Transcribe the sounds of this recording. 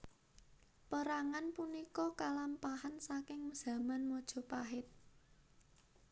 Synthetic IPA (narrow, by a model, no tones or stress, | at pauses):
pəɾaŋanpunikɔkalampahansakɪŋz̥ä̤manmɔd̥ʒ̥ɔ̤paɦɪt̪̚